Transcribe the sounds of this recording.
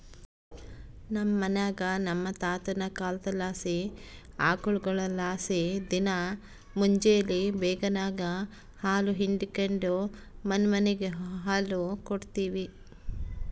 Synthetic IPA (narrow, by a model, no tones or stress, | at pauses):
nɐmːɐnaːɡɐnɐmːɐt̪aːt̪ɐnɐkaːld̪ɐlaːsi | a̰ːkuɭuɡɐɭɐlaːsid̪inɐ | muɲd͡ʒejɐlːibɛːɡɐnaːɡɐ | haːluɦiɳɖikeɳɖumɐnmɐneɡeɦɦaːlukoɽt̪iːʋi